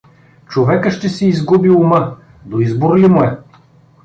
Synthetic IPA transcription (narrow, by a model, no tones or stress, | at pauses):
t͡ʃovɛkəʃt̪ɛsɛizɡubiumɤ | d̪oizboɾlimʊɛ